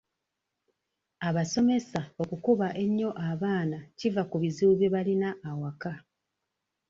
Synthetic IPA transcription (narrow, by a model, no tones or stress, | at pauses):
aβaso̞me̞sao̞kukuβaʔe̞ɲːo̞ʔaβaːnacivakuβiziuβeβalinaːwaka